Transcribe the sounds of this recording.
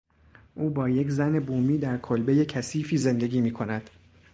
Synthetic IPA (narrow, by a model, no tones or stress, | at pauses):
ʔuːbɒːje̞czæne̞buːmiːd̪æɾkʰolbe̞je̞cʰæsiːfiːze̞nd̪e̞ɡʲiːmiːkʰo̞næd̪̥